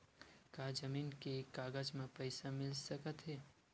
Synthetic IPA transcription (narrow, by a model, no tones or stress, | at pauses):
kaːd͡ʒəmiːnkekːaːɡəd͡ʒmẽpəɪsamɪlsəkət̪ɦeː